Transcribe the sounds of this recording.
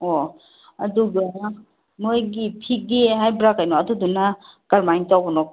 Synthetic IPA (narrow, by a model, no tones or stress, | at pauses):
o | ɐd̪uɡa | mojɡipʰik̚diɦajbɾakajnɔɐd̪ud̪unakaɾmajntawbɔnɔk